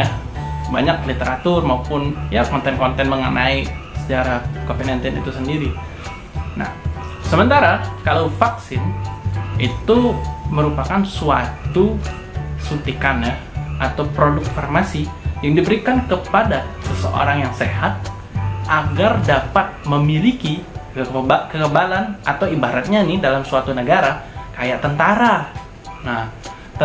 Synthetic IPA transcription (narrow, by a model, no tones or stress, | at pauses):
a | baɲak̚lit̪eɾat̪ʊrmaupʊnjakɔnt̪ɛnkɔnt̪ɛnməŋənaisə̥t͡ʃaɾakofinɛnt̪ɛnḭt̪usəndiɾi | na̰hsəmənt̪aɾakalawfaksɪn | it̪uməɾupakansuat̪u | sut̪ikanahʔat̪awpɾodʊk̚farmasijaŋdibəɾikankəpadasəsə̰ʔo̰ɾaŋjaŋsehat̪̚ | ʔaɡardapat̪̚məmilikikəbkəkəbalanʔa̰t̪awibaɾat̪̚ɲanɪdalamsuat̪unəɡaɾakajaʔt̪ənt̪aɾa | nah | t̪ə